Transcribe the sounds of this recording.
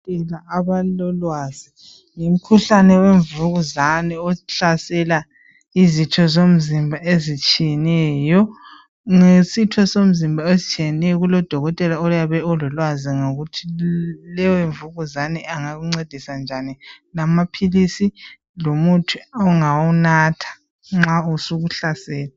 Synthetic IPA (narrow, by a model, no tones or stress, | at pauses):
ɛlaaβalɔlwazi | ŋom̩kʰuɬanɛweɱvuɣuzanɛɔɬasɛla | izit͡ʃʰɔzom̩zimbʱaʔezit͡ʃʼijɛnɛjɔ | ŋesitʰɔsom̩zimbʱaezit͡ʃʰʼijɛnɛjɔɣulɔd̥ʱɔɣɔtʼɛlaɔjaβɛɔlɔlwaziŋoɣutʰilɛjɔeɱvuɣuzanɛaŋaɣuŋ͡ǀed̥ʱisand͡ʒʱanilamapʰilisi | lomutʰuɔŋawunatʰḁ | ŋ͡ǁausuɣuɬasɛːla